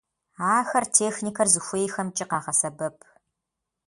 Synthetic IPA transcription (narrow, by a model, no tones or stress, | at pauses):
aːxɐrtʰeːxniːkʰɐrzɨxʷeːjxɐmt͡ʃʼɪqɑːʁɐsɐbɐpʰ